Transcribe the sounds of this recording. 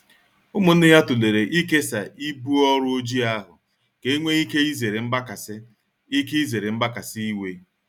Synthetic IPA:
ʊ˦mʊ˨n̩˦dɪ˦ja˦tu˨le˨ɾe˨ʔi˦ke˦sa˨i˦bu˦ɔ˦ɾʊ˦o˦d͡ʒi˦a˦ɦʊ̰˨ | ke˨i˦ŋʷe˦i˦ke˦i˦ze˨ɾe˨m̩˦ba˦ka˨sɪ˦ | i˦ke˦i˦ze˨ɾe˨m̩˦ba˦ka˨sɪ˦i˦we˦

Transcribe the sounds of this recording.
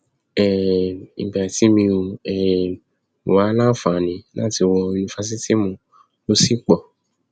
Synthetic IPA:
ɛ˨ḭ̃˨ba˨a˨ti˨˦mĩ˧o˧ɛ˨ | wa˨˦lã˦fã˨nĩ˨˦lã˦ti˧wɔ˧ju˧nĩ˧fa˦s̬i˦ti˦mũ˨˧ | o˦si˦k͡pɔ˨

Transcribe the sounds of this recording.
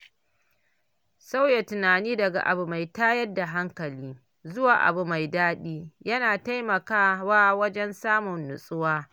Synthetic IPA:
sa˦wja˨tʊ˨naː˨niː˦dɐ˨ɡa̰˨ʔa̰˨bu˨ma˨jtaː˦jɐ˦dːa˨ɦa˦ŋkɐ˨liː˦ | zʊ˦waː˨ʔa̰˨bu˨ma˨jdaː˦ɗiː˦jɐ˦naː˨ta˦jmɐ˨kaː˦waː˦wɐ˦d͡ʒɛ˦nsaː˦mʊ˨nːʊ˨sʼʊ˦waː˦

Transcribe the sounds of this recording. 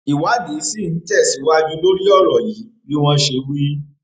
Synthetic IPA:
i˨wa˨˦de˨˦si˦˨n̩˨˦tɛ˦˨si˨˦wa˦jĩ˧˦lo˦ɾi˦ɔ˦˨ɾɔ˨ji˨˦bi˦w̃ɔ̃˧ʃe˧˦wi˦

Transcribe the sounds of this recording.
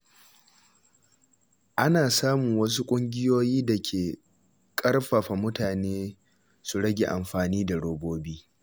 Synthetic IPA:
ʔa˦naː˨saː˦mʊ˨ŋwɐ˦s̬u˦kʷʼʊ˦ŋɡʲɪ˦joː˦jiː˦da˨kʲʰeː˨ | kʼɐ˦rɸa˨ɸa˨mʊ˦taː˨neː˦ | su˨ɽɐ˦ɡʲḛ˨ʔa˨mɸaː˨niː˦da˨ɽoː˨boː˦biː˦

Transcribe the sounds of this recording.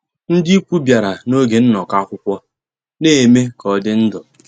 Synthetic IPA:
n̩˦dɪ˦i˦kʷu˦bja˨ɾa˨no˦ɡe˨n̩˦nɔ˨ka˦kʷʊ˦kʷɔ˦ | ne˦˨me˦kɔ˨dɪ˦n̩˦dɔ˨

